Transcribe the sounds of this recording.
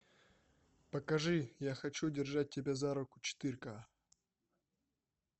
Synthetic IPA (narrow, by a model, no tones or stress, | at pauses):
pɐkɐʐɨjaxɐt͡ɕudʲɪrʐat̚ʲːɪbʲazaɾʊkʊ̥t͡ɕɪ̥t̪ɨɾʲka